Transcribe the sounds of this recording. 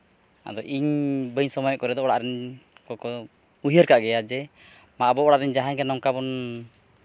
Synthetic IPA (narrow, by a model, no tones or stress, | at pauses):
a̰d̪ɔʔiɲbəɲsɔmɔjɔʔkɔɾɛd̪ɔɔɽaʔɾɛɲkɔkɔ | uɦiəɾkaʔɡɛjad͡ʒɛ | maʔbɔɔɽaʔɾɛɲd͡ʒaɦaŋɡɛnɔŋkabɔn